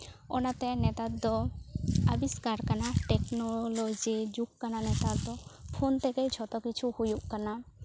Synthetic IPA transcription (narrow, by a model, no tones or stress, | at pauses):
ɔnat̪ɛnɛt̪ad̪ɔ | abiskaɾkanaʈɛknɔlod͡ʒid͡ʒukkananɛt̪ad̪ɔpʰont̪ɛkejt͡ʃʰɔt̪ɔkit͡ʃʰuhujuʔkana